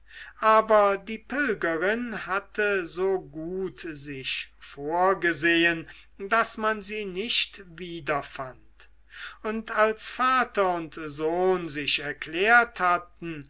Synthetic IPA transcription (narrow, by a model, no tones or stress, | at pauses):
ʔaːbɐdiːpɪlɡɐʁɪnhatʰəzoːɡuːtzɪʃfoːɐɡəzeːən | dasmanziːnɪʃtviːdɐfant | ʊntalsfaːtɐʊntzoːnzɪʃɛɐkleːɐthatn̩